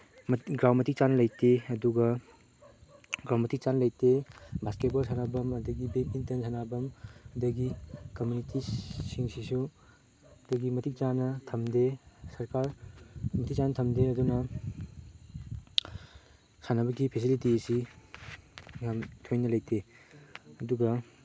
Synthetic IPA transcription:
mɡɾawmɐtʰik̚t͡ʃanɐlɐjteɐduɡɐ | ɡɾawmɐtik̚t͡ʃanɐlɐjtebʱasket̚bɐlsʰanabɐmɐdɐɡibepintɐnsʰanabɐmɐdɐɡikɐmjunitʰisiŋsisu | ɐdɐɡimɐtik̚t͡ʃanɐtʰɐmdesɐɾkaɾmɐtʰik̚t͡ʃanɐtʰɐmdeɐdunɐ | sʰanɐbɐɡipʰis̬ilitiesi | jamtʰojnɐlɐjtʰe | ɐduɡɐ

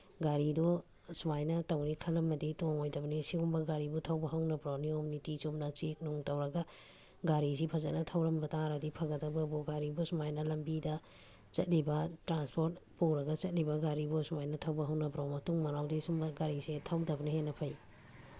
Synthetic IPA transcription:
ɡaɾidɔ | sumajnɐtɐwnikʰɐlɐmːɐditoŋojdɐbnisihumbɐɡaɾibutʰawbɐɦɐwnɐbɾawniomnitisumnɐt͡ʃik̚noŋtɐwɾɐɡɐ | ɡaɾis̬ipʰɐzɐnɐtʰɐwɾɐmbɐtaɾɐdipʰaɡɐtɐbɐbuɡaɾibusumajnɐlɐmbidɐ | t͡ʃɐ̰t̚libɐtɾanspoɾt̚powɾɐɡɐt͡ʃɐt̚libɐɡaɾibusumajnɐtʰɐwbɐɦɐwnɐbɾawmɐtuŋmɐnawdisumbɐɡaɾisetʰawdɐbnihenɐpʰɐj

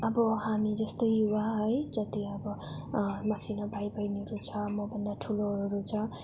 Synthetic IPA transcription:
ʌbʌhamid͡zʌst̪ʌjjuwaɦʌjd͡zʌt̪iʌbʌ | mʌsinʌbʱajbʌjneɾut͡sʰʌmʌbʌnd̪aʈʰuloɦɾut͡sʰʌ

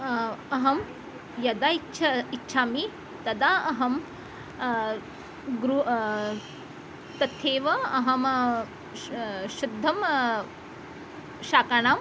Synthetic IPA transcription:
ɐɦɐm | jɐd̪aːitːʃʰɐitːʃʰaːmi | t̪ɐd̪aːɐɦɐm | ɡɾu | t̪ɐt̪ʰːeːʋɐɐɦɐm | ʃud̪ʱːɐm | ʃaːkaɳaːm

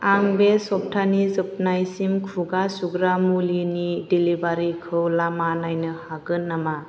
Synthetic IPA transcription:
aŋbesɔp̚tʰanizɯp̚najsimkʰuɡasuɡɾamulinidilibaɾikʰɯwlamanajnɯhaɡɯnːama

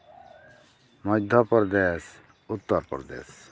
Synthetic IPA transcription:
mɔd̪ʱɔpɔɾd̪es | ut̪ːɔɾpɾɔd̪ḛs

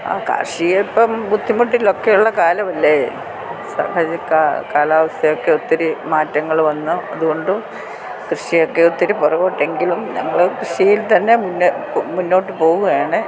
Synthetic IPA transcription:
a̰ːka̰ːrʂijepːɐmbud̪ʱːimuʈːiilo̞kːejuɭːɐkaːlɐʋɐlːɐe | sa̰hɐd͡ʑɐkakaːlaːʋɐst̪ʰɐjo̞kːeot̪ːiɾɨmaːtːɐŋːɐɭʋɐnːuɐðuɣo̞ɳɖɨ | krɨʂijo̞kːeot̪ːiɾupurɐʋoːʈːe̞ŋɡilumɲɐ̰ŋːɐɭkrɨʂijilt̪ɐnːe̞munːmunːo̞ːʈːɨpo̞ːɣuɣɐjaːɳɨ

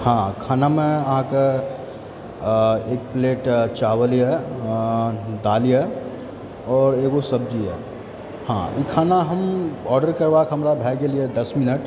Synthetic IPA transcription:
hãkʰaːnamẽəɦãke | eːk̚pleːʈt͡ʃaːwəlije | d̪alije | ɔːɾeːɡosəb̚d͡ʒiɛ̰ | hãikʰaːnaɦəmɔːɾɖəɾkəɾbakɦəmɾabʱɛːɡelijed̪əsmɪnəʈ

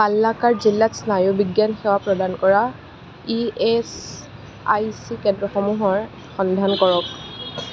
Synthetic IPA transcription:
palːakaɹzilːasnajʊbiɡjanxewapɹɔdankɔɹa | ies | ajsikɛndɹɔxɔmuɦɔɹ | xɔnd̪ʱankɔɹɔk

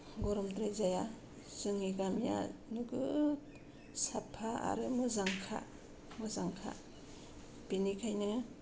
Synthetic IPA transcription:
ɡɔɾɔmdɾajzaja | z̥ɯŋiɡamja̰nɯɡɯt | sapʰaa̰ɾɯmɯzaŋkʰa̰ | mɯzaŋkʰa̰ | b̥inikʰajnɯ

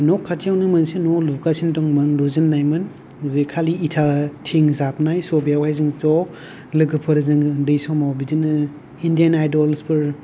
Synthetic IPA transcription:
nɔkʰːatʰijawnɯmɯnsinɔlukasintɔŋmɯŋluzɯnːajmɯn | zɯkʰaliitʰatʰiŋzap̚najsɔbijawajzɯŋzɔ | lɯɡɯpʰɯɾzɯŋdɯjsawmawbidinɯ | indijanajdɔlspʰɯɾ

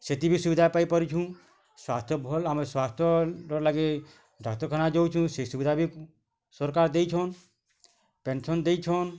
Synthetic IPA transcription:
set̪ibʱisuʋid̪ʱapaipəɾit͡ʃʰũ | swaːst̪ʰjɔbʱolameswast̪ʰjɔɾɔlaɡe | ɖʱak̚t̪ɔɾkʰənad͡ʒowt͡ʃʰũsesubid̪ʱabʱi | sɔɾkaːɾd̪eit͡ʃʰɔn | pensɔnd̪eit͡ʃʰon

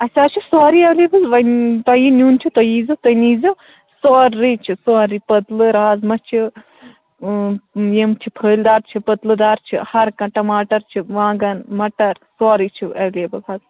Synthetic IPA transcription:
ɐsʲaːt͡ʃʰisaːɾiɐʋleːbɨzʋɐnt̪ɐjinʲuːnt͡ʃʰit̪ɐjiːzɨt̪ɐniːzɐ | soːɾːit͡ʃʰisoːɾipɐt̪lɨɾaːzmɐt͡ʃʰi | jemt͡ʃʰipʰəːld̪aːɾt͡ʃʰipɐt̪lɨd̪aːɾt͡ʃʰihɐɾkɐ̃ʈɐmaːʈɐɾt͡ʃʰiʋãːɡɐnmɐʈɐɾsaːɾiːt͡ʃʰiɐwleːbɐzɐz

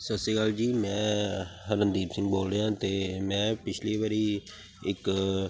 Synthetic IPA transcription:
səsiːɡaːld͡ʒiːmɛ̃ːɦəɾənd̪iːpsɪ̃ŋɡboːlɾeːãːt̪eːmɛ̃ːpɪt͡ʃʰliːʋəɾiː | ɪk

